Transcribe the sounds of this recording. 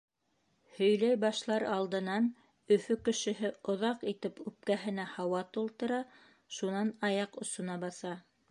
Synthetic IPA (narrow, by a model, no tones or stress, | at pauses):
hɵ̆jlæjbɑʃlˠɑɾɑlˠd̪ɤ̆nɑn | ɵ̆fɵkɘ̆ʃɘ̆ɦɘŏðɑqit̪ɘpʉp̚kæɦɘ̆næhɑwɑt̪ulˠt̪ɤ̆ɾɑ | ʃunɑnɑjɑqŏsŏnɑbɑsɑ